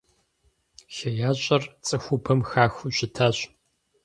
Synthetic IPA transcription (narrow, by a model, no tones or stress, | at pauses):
xɐjaːɕʼɐrt͡sʼɨxʷʊpʰɐmxaːxʷuɕɪtʰaːɕ